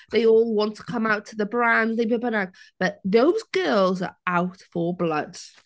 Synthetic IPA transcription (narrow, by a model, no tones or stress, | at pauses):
ðeɪɔːlˠwɒ̃ntʰə̥kʰʌ̃maʊtʰəðəbɹãnzðeɪbəbənaɡ̚b̥ʌʔðoʊzɡɜːlˠzə̰ɹaʊtfəblʌ̰dz̥